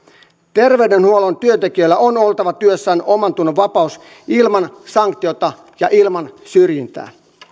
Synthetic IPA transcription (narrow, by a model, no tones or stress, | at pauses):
t̪e̞rʋeydenhuolont̪yønt̪ekiølːæonolt̪ɑʋɑt̪yøsːæːnomɑnt̪unːoʋʋɑpɑus | ilmɑnsɑŋkt̪io̞t̪ɑ | jɑʔilmɑnsyrjint̪æ̰ː